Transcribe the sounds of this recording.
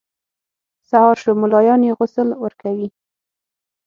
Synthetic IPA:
sahɑɾʃomʊlɑjɑnjeɣʊsəlwəɾkawi

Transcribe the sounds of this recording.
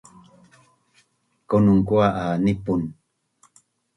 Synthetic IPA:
konuŋkuaʔanipun

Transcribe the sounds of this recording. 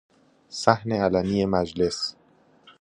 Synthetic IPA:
sæhneælæniːje̞mæd͡ʒle̞s

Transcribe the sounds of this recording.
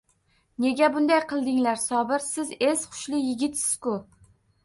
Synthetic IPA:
ne̞ɡʲabʊnd̪ajqʰɨlˠd̪ɪŋlaɾsɒbɪɾsɪze̞sχʊ̥ʃlɪjɪɡʲɪt̪sɪz̥kʊ

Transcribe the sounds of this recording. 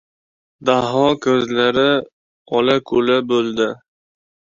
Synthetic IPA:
d̪aɦɒkʰɵzlaɾɪ | ɒlakʰɵlabɵld̪ɪ

